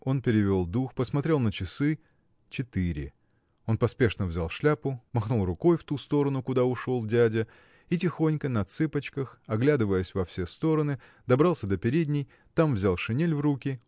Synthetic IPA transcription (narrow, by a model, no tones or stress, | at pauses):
o̞npʲɪɾʲɪvʲo̞lˠd̪uxpəsmɐt̪ɾʲe̞lˠnət͡ɕɪsɨ | t͡ɕɪt̪ɨɾʲɪ̰ | o̞npɐspʲe̞ʂnəvzʲalˠʂlʲapʊmɐxnulˠrʊko̞jft̪ust̪o̞ɾənʊkʊd̪aʊʂo̞lˠdʲædʲə | itʲɪxo̞nʲkənəɐt̪sɨpət͡ɕkəxɐɡlʲad̪ɨvəjəsʲvɐfsʲe̞st̪o̞ɾənɨ | d̪ɐbɾalˠsʲəd̪əpʲɪɾʲedʲnʲɪj | t̪amvzʲalˠʂɨnʲelʲvrukʲɪ